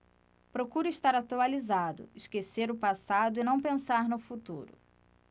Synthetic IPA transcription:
pɾokuɾʊiʃt̪aɾat̪ualizad̪ʊ̰ɪʃkeseɾʊpasad̪ʊɪnɐ̃w̃pẽsaɾnʊfut̪uɾʊ̰

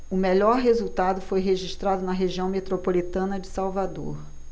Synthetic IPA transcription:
ʊmeʎɔɾɦezuwt̪ad̪ʊfojɦeʒiʃt̪ɾad̪ʊnɐɦeʒiɐ̃w̃met̪ɾopolit̪ɐ̃nɐd͡ʒɪsawvad̪o̰ɾ

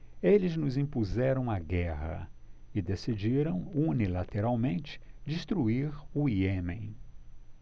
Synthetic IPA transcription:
elɪznʊzĩpuzɛɾɐ̃w̃aɡɛɦɐ̰ɪd̪esid͡ʒiɾɐ̃w̃unilat̪eɾawmẽnt͡ʃɪ̥d͡ʒist̪ɾuiɾuiẽmẽj̃

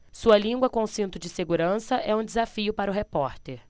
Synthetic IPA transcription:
suɐlĩŋɡwɐkõsĩnt̪ʊd͡ʒɪseɡuɾɐ̃sɐʔɛũd͡ʒɪzafiʊpaɾʊɦepɔɾt̪eɾ

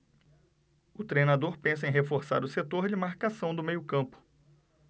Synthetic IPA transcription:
ʊt̪ɾejnad̪oɾpẽs̬ɐẽj̃ɦefoɾsa̰ɾʊset̪oɾd͡ʒɪmaɾkasɐ̃w̃d̪ʊmejʊkɐ̃pʊ̥

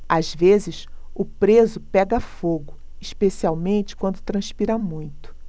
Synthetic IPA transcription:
azvezɪʃʊpɾezʊpɛɡɐffoɡʊ | iʃpesiawmẽnt͡ʃɪ̥kwɐ̃nd̪ʊt̪ɾɐ̃ʃpiɾamũj̃t̪ʊ̥

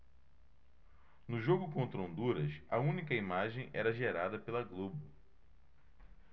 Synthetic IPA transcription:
nʊʒoɡʊkõnt̪ɾɐõnd̪uɾɐsɐũnikɐimaʒẽj̃ɛ̰ɾɐʒeɾad̪ɐpelɐɡlobʊ

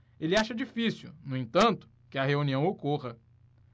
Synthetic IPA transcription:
elɪaʃɐd͡ʒifisṵnʊ̃ẽt̪ɐ̃nt̪ʊ̥ | kɪɐɦeuniɐ̃w̃okoʁɐ

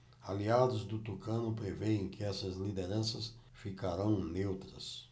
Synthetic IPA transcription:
aliad̪ʊzd̪ʊt̪ukɐ̃nʊpɾeveẽkɪɛsɐzlid̪eɾɐ̃sɐs | fikaɾɐ̃w̃newt̪ɾɐs

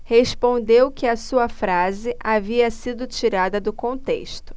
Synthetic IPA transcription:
hespõnd̪ewkɪɐsuɐfɾazɪʔaviɐsid̪ʊt͡ʃiɾad̪ɐd̪ʊkõnt̪ḛʃt̪ʊ̥

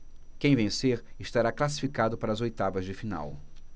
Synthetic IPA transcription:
kẽj̃vẽseɾ | ɪʃt̪aɾaklas̬i̥fikad̪ʊpaɾɐːzojt̪avɐzd͡ʒɪfina̰w

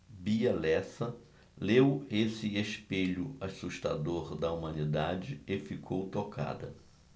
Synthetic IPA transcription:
biɐlɛsɐ | lewesɪeʃpeʎʊasuʃt̪a̰d̪oɾd̪ɐumɐ̃nid̪ad͡ʒɪefikʰowt̪okʰa̰d̪ɐ

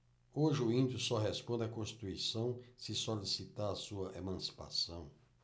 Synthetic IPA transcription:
oʒɪʊĩnd̪ʊsɔɦɛspõnd̪ɪɐkõsʃt̪i̥t̪uisɐ̃w̃sɪsolisit̪aɾɐsuɐʔemɐ̃si̥pa̰sɐ̃w̃

